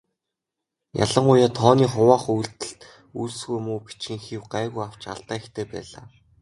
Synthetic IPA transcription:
ja̰ɮə̆ɴɢʊjaːt̪ʰɔːniːχʊwaːχujɮt̪ɘ̆ɬt̪ | uɮsɣujmuːpit͡ɕxɘ̆ŋxiwɢaːɣujaw̥t͡ɕa̰ɮt̪aːext̪ʰeːpæ̰ːɮa̰ː

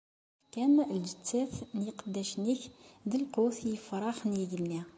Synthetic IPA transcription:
kænld͡ʒət͡sːæθnjəqəd̪ːæʃniçd̪əlqoθjəfɾˤɑxnjiɡənːi

